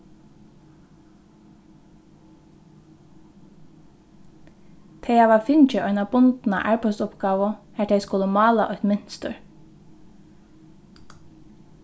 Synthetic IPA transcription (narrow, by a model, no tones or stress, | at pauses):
t̪ʰejaʋafɪnt͡ʃɪʔɔʏnabʊnt̪na̰ʔæ̰ɹpɔsʊpɡɑːʋʊhæt̪ʰeɪskʊləmɑːlaʔɔht̪mɪn̥st̪ə̰ɹ